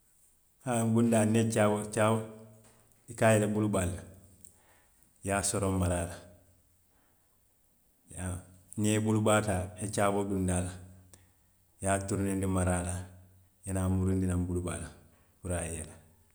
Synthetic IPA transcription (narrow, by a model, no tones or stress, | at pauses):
hambundanet͡ʃabot͡ʃabo | ikajelebulbalːa | jasoɾommaɾaːla | ja | nebulubaːtaet͡ʃaːboɡundala | jaːtuɾnendimaɾaːla | janamuɾundinambulba̰la | kuɾajela